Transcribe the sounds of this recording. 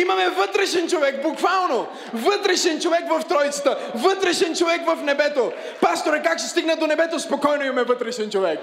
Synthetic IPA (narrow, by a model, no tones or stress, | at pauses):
imɐmɛvət̪ɾɛʃɛnt͡ʃovɛkbukvalˠno | vət̪ɾɛʃɛnt͡ʃovɛkvɐft̪ɾɔjit̪sə̥t̪əvət̪ɾɛʃɛnt͡ʃovɛkvəfnɛbɛt̪o | past̪oɾɛkakʃɛst̪iɡnɛd̪onɛbɛt̪ospokɔjnoimɐmɛvət̪ɾɛʃɛnt͡ʃovɛk